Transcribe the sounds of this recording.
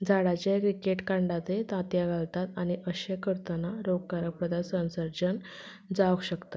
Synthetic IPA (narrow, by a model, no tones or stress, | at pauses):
d͡zaɽat͡ɕakɾikeʈkãɳɖat̪et̪ãt̪jaɡʱalt̪at̪añiʔəɕakəɾt̪ənaɾoɡ̚kaɾək̚pɾəd̪asənsəɾd͡ʑən | d͡zaʋəkɕəkt̪ḁ